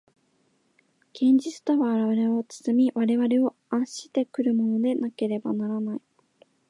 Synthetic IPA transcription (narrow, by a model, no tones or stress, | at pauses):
ɡ̥ẽ̞ɲ̟d͡ʑit͡sɨ̥t̪oβaːɾaβaɾe̞o̞t͡sɨ̥sɨmʲiβaɾe̞βaɾe̞o̞ | ãɰ̃ɕi̥t̪e̞kɯ̟ɾɯ̟mo̞no̞d̪e̞nake̞ɾe̞banaɾanai